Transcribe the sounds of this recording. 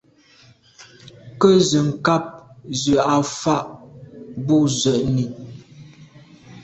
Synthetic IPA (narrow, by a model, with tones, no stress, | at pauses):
kə˦zə˨ŋ̩˨ka˦p̚zə˨a˨fa˦˨ʔ | bu˦zə˨ʔni˨